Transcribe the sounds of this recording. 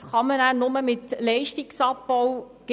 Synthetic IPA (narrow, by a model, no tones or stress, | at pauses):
χɑmənæːnʊməmɪtlɛɪʃtɪksɑpːɔw | ɡ̥